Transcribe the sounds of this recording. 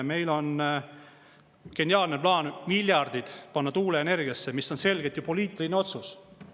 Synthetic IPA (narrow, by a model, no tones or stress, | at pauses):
me̞jlo̞n | ke̞nʲjɑːlneplɑːnmilʲjɑrd̪̥id̪̥pɑnːɑt̪uːleːne̞rɡ̥ijɑsːemisːo̞nse̞lɡ̥et̪jupo̞liːt̪ːˑilineo̞t̪sus